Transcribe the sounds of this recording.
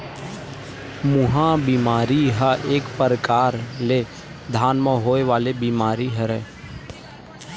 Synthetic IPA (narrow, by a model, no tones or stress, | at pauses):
mʊɦãbimaːɾiɦaʔeːkpəɾəkaːɾle | d̪ʱaːnməɦoːeʋaːlebiːmaːɾiɦəɾɛ